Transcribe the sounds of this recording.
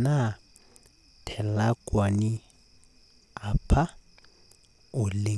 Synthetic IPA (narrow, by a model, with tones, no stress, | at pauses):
na˦ | tʰɛ˨la˦kʼwa˨ni˦ | a˨pʰa˦ | ʊ˨le˦